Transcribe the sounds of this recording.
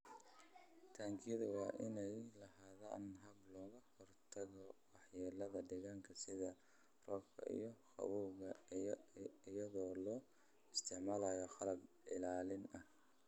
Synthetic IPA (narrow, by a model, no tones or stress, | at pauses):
t̪ʰaːŋkʰɪjðʊwɑːʔɪnɛjlɐɦaːða̰ːnɦɐblɔːɣɐkʰɔrt̪ʰɐɣɔwɑħjɛːlɐðɐɖɪɣaːŋkʰɐsɪðɐ | rɔːkʰɐ̰ʔḭjɔxɑ̰wuːɣɐ | ɪjɐðɔːlɔː | ɪst̪ʰɪʕmaːlɐjɔxɑlɐb | ɪlaːlɪnɐh